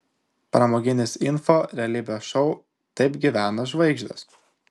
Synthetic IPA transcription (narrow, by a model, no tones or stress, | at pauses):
pɾɐmoːɡʲɪnʲɪsɪnfoːɾʲɛɐlʲibʲɛʃɔʊ | t̪ɐɪpɡʲiʋʲæːnɐʒʋɐɪɡʒʲd̪ʲɐ̰s